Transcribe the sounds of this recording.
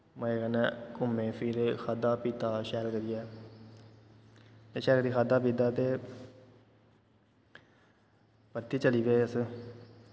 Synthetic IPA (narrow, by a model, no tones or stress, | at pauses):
məeɡənɛkʊmẽːpʰiɾxʰaːd̪aːpiːt̪aːʃɛːɾkəɾiːɛː | t̪eːʃɛːɾkəɾiːxaːd̪aːpiːt̪aːt̪eː | pəɾt̪iːt͡ʃəliːbeəs